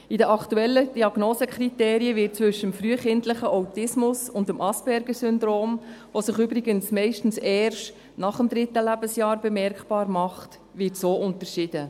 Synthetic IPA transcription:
idəʔɑktuɛlːəd̥iɑɡ̥noːsəkʰriteːɾiəvɪt̚t͡sʋʏʃːəəmfɾyəχɪntləχəʔawtɪsmʊsʊndəmʔɑsb̥ɛɾɡəsʏnd̪ɾoːmʋosəχʏbɾiɡənsmɛɪʃtn̩sɛːrʃt | nɑχəmd̪ɾɪtːəlæbəsjɑːɾbɛmɛɾkpɑːɾmɑχt | ʋɪtsoːʔʊntəɾʃɪd̥ə

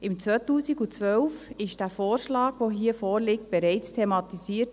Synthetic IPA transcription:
ɪmt͡sʋœtuːsiɡut͡sʋœlfɪʃd̥æːfoːɾʃlɑːɡ̥ʋoɦiəfoːɾlɪk̚t̚b̥ɛɾɛɪt͡stʰemɑtisiːət

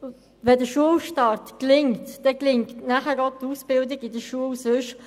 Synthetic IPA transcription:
ʋɛdəʃuəlʃtɑɾtklɪŋtdɛklɪŋktnæχəɾot̪usb̥ɪldɪɡɪdəʃuəlsɵʃ

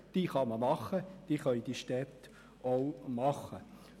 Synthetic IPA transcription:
d̥iːχɑməmɑχːəd̥iːχœʏd̥̪iːʃtɛt̪ | owmɑχə

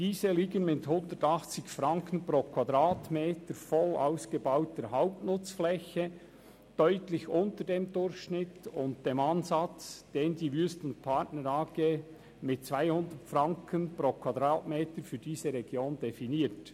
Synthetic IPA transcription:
d̥iːzəliːɡənmɪthʊndətɑχt͡sɪçfrɑŋkənpɾoːkʰwadɾaːtmeːtəɾfɔla̰ʊsɡ̥əbaʊtəɦaʊp̚tnʊt͡sflɛçə | d̥œʏtlɪçʊntədeːmdʊɾçʃnɪtʊnt̚d̥eːmɑnzɑt͡sd̥eːndiːvyːstʊntpʰɑtnəɾɑːɡ̥e | mɪt̚t͡svaɪhʊndətfrɑŋkʰənpɾoːkʰwɑdɾɑːtmeːtəɾfyːd̥iːzəɾɛɡjoːndɛfiniːt

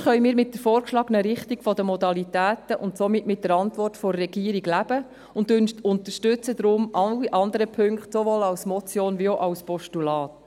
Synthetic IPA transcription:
χœʏjmiːɾmɪt̚dəfɔːɾkʃlɑːɡənəɾɪχtiɡfɔdəmɔd̪ɑlitæːtəʔʊntsɔmɪtmɪt̚d̥əɾɑntʋɔrtfɔrːɛɡiːəɾiɡlæb̥ə | ʊntʊnʊnt̪əʃtʏt͡səd̪ɾʊmʔɑliʔɑnd̪əɾəpʰɵŋkχtsovoːlɑwsmɔt͡sjoːnvioʔɑwspɔʃtulɑːt

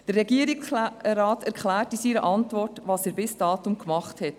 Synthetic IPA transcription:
d̥ərːɛɡiəɾiksrɑːtæɾklæːɾtisiːɾə̰ʔɑntvɔrtʋɑːsɛːɾbɪsd̥ɑːtʊmkmɑχthɛt

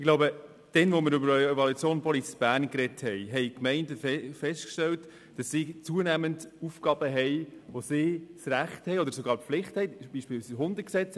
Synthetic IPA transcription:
ɪɡlaʊbə | d̥ɛnʋomɪɾʏbəɾœɛvɑlut͡sjoːnnpʰɔlit͡sb̥æːɾnkɾɛthɛɪɦɛɪkmɛɪndəfɛstkʃtɛlt | d̥ɑsːiːt͡suənæməntufkɑb̥əɦɛɪʋosɪːsræχthɛɪɔdəɾsɔɡɑːɾpflɪχthɛɪb̥iʃpɪːsiɦʊndəksɛt͡s

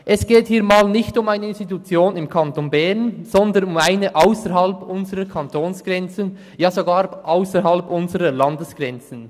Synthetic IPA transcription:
ʔɛsɡ̥eːthiːɐmaːlnɪçtʊmaɪnəɪnstitut͡sjoːnɪmkʰantonbɛʁnz̥ɔndənʊmaɪnəʔaʊsəɾɦɑlpʔʊnzəʁəkʰɑntʰoːnsɡ̥ʁɛnt͡sən | jaːzoɡaːɾʔaʊsəɾɦɑlpʊnzəʁəlɑndəsɡ̥ʁɛnt͡sən̩

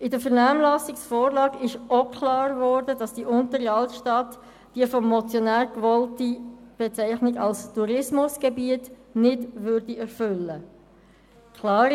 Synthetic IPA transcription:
ɪdəfəɾnaːmlɑsɪksfoːɾlɑːɡɪʃokʰlɑːɾvɔːɾdədɑsd̥iʔʊntəɾiɑltʃtɑt | d̥iəfɔmːɔt͡sjonæːɾkvɔltib̥et͡sæɪχnɪɡɑlstuɾɪsmʊsɡ̥ebiət | nɪdvʏɾdiɛɾfʏlːə | kʰlɑːɾ

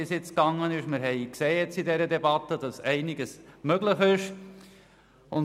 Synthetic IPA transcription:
ɪsjɪt͡skɑŋːənɪʃmɪɾɦɛɪkseːjɛt͡sidɛɾədɛbɑt̪ədɑsɛɪnɪɡəsmøɡlɪχɪʃ | ʊn

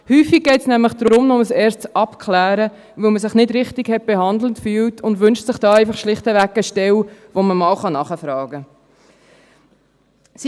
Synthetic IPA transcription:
hyːfiɡ̚ɡɛɪtsnæmləχd̥ɾɾʊmnɔməsɛːɾst͡sʔɑpkʰlæːɾə | ʋɪlməs̬ɪχnɪdɾɪχtiɡhɛt̚b̥ehɑnd̪l̩tfyːltʰʊndʋʏnʃtsɪχd̥ɑːæɪfɑχʃlɪχtəʋækːəʃtɛwʋoməmɑːlχɑnɑχəfɾɑːɡə | s

